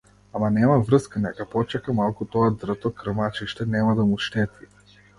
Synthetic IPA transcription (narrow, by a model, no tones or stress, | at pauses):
amanɛmavr̩skanɛkapɔt͡ʃɛkamalˠkut̪ɔad̪r̩t̪ɔkr̩mat͡ʃiʃt̪ɛnɛmad̪amuʃt̪ɛt̪vi